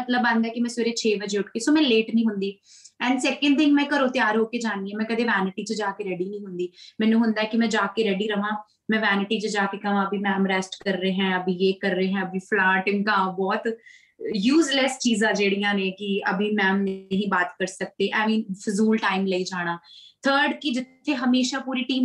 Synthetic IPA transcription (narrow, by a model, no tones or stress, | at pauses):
ət̪ləbãnd̪ɛːkɪmɛ̃ːsoɾeːt͡ʃʰeːʋəd͡ʒeːʊʈkeːsoːmɛ̃ːleːʈnĩːɦʊnd̪iː | ɛ̃ːɳɖsɛːkə̃ɳɖt̪ʰɪ̃ŋɡmɛ̃ːkəɾoːt̪ɪjaːɾɦoːkeːd͡ʒaːnd̪iːɛ̃ːmɛ̃ːkəd̪eːʋɛːnɪʈiːt͡ʃəd͡ʒaːkeːɾɛːɖiːnĩːɦʊnd̪iːmɛ̃ːnũːɦʊnd̪aɛːkɪmɛ̃ːd͡ʒaːkeɾɛːɖiːɾəʋãː | mɛ̃ːʋɛːnɪʈiːt͡ʃəd͡ʒaːkeːkəʋãːəbiːmɛːmɾɛːsʈkəɾːeːɦɛ̃ːəbiːeːkəɾːeːɦɛ̃ːəbiːpʰlaːʈɪ̃ŋɡkãːbɔːt̪ | juːzlɛst͡ʃiːzãːd͡ʒeːɽijãːneːkɪəbiːmɛːmnəɦĩːbaːt̪kəɾsək̚d̪eːʔɛːmĩːnfɪzuːlʈaːɪmləiːd͡ʒaːɽ̃ãːt̪ʰəːɾɖkɪd͡ʒɪt̪ʰːeːɦəmeːʃaːpuːɾiːʈiːm